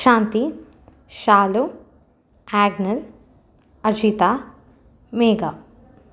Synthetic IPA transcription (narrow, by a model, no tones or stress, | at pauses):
ʃaːnt̪i | ʃaːlu | aːɡnɐl | ɐd͡ʒiːt̪aː | meːɡaː